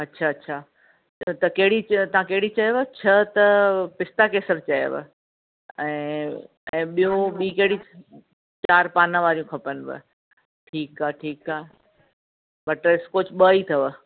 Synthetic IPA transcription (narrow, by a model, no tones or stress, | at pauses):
ɐtːɕʰaɐtːɕʰaː | t̪ɐkɐɦɪɽit̪ɐʋ̤ãkɐɦɪɽit͡ɕɐjʋət͡ɕʰɐt̪ɐpɪst̪akeːsəɾt͡ɕɐjə̰ʋə̰ | ɛ̃ː | ɛ̃ːɓijũɓiːkɐɦɪɽi | t͡ɕaːɾpaːnãʋaːɾijũkʰɐpən̆bɪ̰ | ʈʰiːkaːʈʰiːkaːɦe | bɐʈɪskot͡ɕʰɓəit̪ʰɐʋ